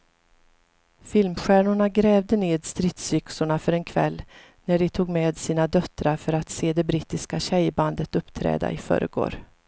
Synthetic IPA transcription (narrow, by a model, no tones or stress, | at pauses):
fɪlmɧæːɳʊɳaɡɾɛːvd̪əneːd̪st̪ɾɪt̪sʏksʊɳafœɾɛnkʰvɛ̰lː | næɖɪt̪ʰuːɡmeːd̪siːnad̪œt̪ɾaɾfœɾat̪seːd̪ɛbɾiːt̪ːɪskaɕɛjband̪ət̪ɵpːt̪ʰɾɛ̰ːd̪a̰ʔɪfœ̰ːɾə̰ɡo̰ːɾ